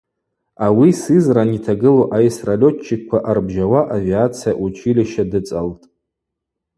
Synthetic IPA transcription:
awisɨzranitʰaɡɨloʔajsralʲo̞t͡ʃʰːɪkkʷʰaʔarbʒawaʔaviat͡sʰijaʔut͡ʃʷʼʰilʲiʃadɨt͡sʼaltʼ

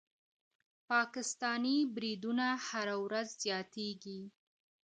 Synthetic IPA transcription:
pɑkɪst̪ɑnibɾid̪unahaɾawɾazzjɑt̪eɡi

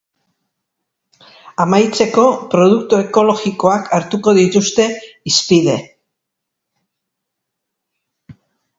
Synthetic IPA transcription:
amajt͡se̞ko̞pɾo̞ð̞ukt̪ue̞ko̞lo̞ɣiko̞akʰaɾt̪uko̞ðit̪ust̪e̞ispiðe̞

